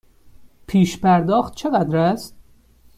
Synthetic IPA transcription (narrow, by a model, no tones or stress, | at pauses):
pʰiːʃpæɾd̪ɒːxt̪̚t͡ʃʰeɡæd̪ɾæst̪